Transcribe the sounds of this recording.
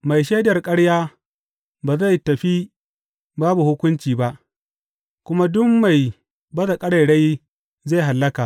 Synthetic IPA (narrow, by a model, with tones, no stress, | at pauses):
ma˨jʃeː˦dɐ˨rkʼɐ˦ɽjaː˦ | baː˨za˦˨jtɐ˨ɸi˦ | baː˦bu˨hʊ˦kʷʊ˦nt͡ʃiː˨ba˦ʔ | kʷʊ˦ma˦dʊ˦mːa˨j | bɐ˦za˨kʼɐ˦ɽa˨jɽa˦j | za˦˨jɦa˨lːɐ˦kaː˨